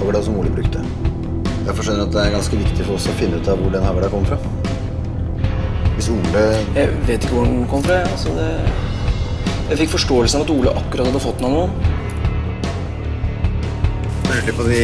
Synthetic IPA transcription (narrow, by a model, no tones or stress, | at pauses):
ɑʋəɖsɔmuːləbɾʉkt̪ə | jæfɔʂɛnəɾɑt̪̚d̪ɛæɾɡɑnskəʋɪkt̪ɪfɔɾɔsɔfɪnːʉːt̪ɑʋʋʊɖɛnhɑʋəɾɑɾkʰɔmːəfɾɑ | ʋɪsuːləjæɪʋeːt̪ɪkːəʋʊɖɛnkʰɔmːəfɾɑɑlsɔd̪ɛ | jæɪfɪkːfɔʂʈoːəlsəɑʋɑt̪uːləʔɑkːʉɾɑt̪hɑd̪əfɔt̪ːnɔnuən | øʈɪpɔd̪ɪ